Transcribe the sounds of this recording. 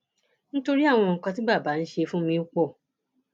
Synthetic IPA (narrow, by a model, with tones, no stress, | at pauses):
n̩˦to˧ɾi˦a˦˨w̃ɔ̃˧ŋ̩˨kã˧ti˦ba˦˨baː˨˦n̩˦ʃe˧fũ˦mĩ˧u˦k͡pɔ˦˨